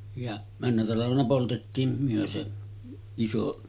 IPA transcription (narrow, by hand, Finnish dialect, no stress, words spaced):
jɑ mænːæ tɑlɑʋenɑ poltetːiːm myø se iso